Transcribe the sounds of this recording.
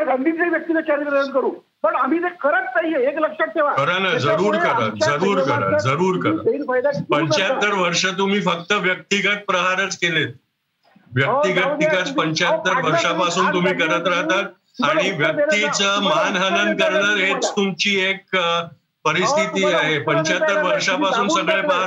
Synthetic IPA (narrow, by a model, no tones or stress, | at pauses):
ɡʱənd̪ʱieʋjək̚t̪iːlət͡ɕaɾiɾənkəɾuː | pəɳam̤iːt̪ekəɾət̪ːaijeekləkʂək̚t̪eʋakəɾanad͡zəɾuːɾkəɾa̰t̪d͡zəɾuːɾkəɾa̰d͡zəɾuːɾkəɾa̰ajd̪pəɲt͡ɕjat̪ːəɾʋəɾʂət̪̬um̤iːfək̚t̪əʋjək̚t̪iɡət̪̚pɾəɦaɾət͡skelet̪̚ | ʋjək̚t̪iɡət̪̚ːikat͡spəɲt͡ɕat̪ːəɾʋəɾʂapasuːnt̪um̤iːkəɾat̪ɾaɦt̪at̪̚ | aɽ̃iʋjək̪it͡səmanɦənənkəɾɳəːɾɦet͡st̪umt͡ɕiːek̚ | pəɾist̪ʰit̪iːaɦepəɲt͡ɕat̪ːəɾʋəɾʂapasuːnssəɡɭepəɦa